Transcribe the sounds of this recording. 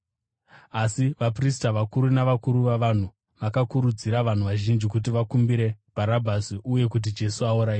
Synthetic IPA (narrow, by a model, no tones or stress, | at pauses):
asiʋapristaʋakuɾunaʋakuɾuʋaʋan̤u | ʋakakuɾud͡ziɾaʋan̤uʋaʒind͡ʒikut̬iʋakumbiɾe̞b̥ʱaɾabʱasiʔuje̞kut̬id͡ʒe̞suauɾaiː